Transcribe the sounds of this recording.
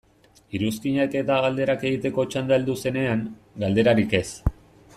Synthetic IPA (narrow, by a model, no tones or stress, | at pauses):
iɾuskiɲake̞t̪aɣald̪e̞ɾake̞ɣit̪e̞ko̞t͡ʃand̪aeld̪use̞ne̞aŋ | ɡald̪e̞ɾaɾike̞s